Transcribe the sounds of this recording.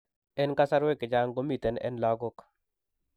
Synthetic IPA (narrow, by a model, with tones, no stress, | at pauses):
ɛ˦nka˦sa˦ɾwe˦ke˨d͡ʒa˦ŋɡo˦mi˨t̪ɛ˨nɛ̰˦nla˦ɡo˦k